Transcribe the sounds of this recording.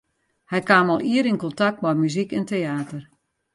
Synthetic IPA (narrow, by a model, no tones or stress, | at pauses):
hɛjkaːmɔlˠiəɾinkɔntak̚tmɛjmyzikɛnteaːtər